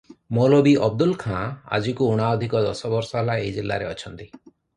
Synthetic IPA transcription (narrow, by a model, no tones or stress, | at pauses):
molobiʔɔb̚d̪ulkʰãa̰d͡ʒikuːɽ̃aɔd̪ʱikɔd̪ɔsɔbɔɾsɔɦelaejd͡ʒilːa̰ɾeɔt͡ʃʰɔnt̪i